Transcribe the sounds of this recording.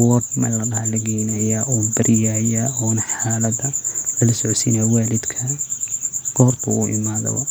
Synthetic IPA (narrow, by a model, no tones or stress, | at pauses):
wɔd̪mɐ̰lɐɽɐhalɐɡɛːnɐjaːʔɔːbɐɾʔɪjaːjaːɔːnɐħaːlɐd̪ɐlɐlɐsɔʕsiːnawaːlɪd̪kʰɐ | ɡ̥ɔːrt̪ʰɐʊ̰ʔɪ̰maːðɐ̰βɐ̰